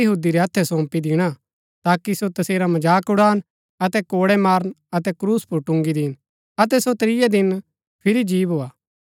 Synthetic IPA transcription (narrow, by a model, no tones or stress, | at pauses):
ɐɦuːd̪iɾɛɐt̪ʰːɛsɔ̃ːmpid̪ɪɽ̃a | t̪aːkisot̪ɐseːɾamɐd͡ʒaːkʊɽaːn | ɐt̪ɛkoːɽɛmaːɾnɐt̪ɛkɾuːspʊɾʈʊ̃ŋɡid̪ɪːn | ɐt̪̬ɛsot̪ɾɪjad̪ɪn | pʰɪɾid͡ʒiːʋɦoːaː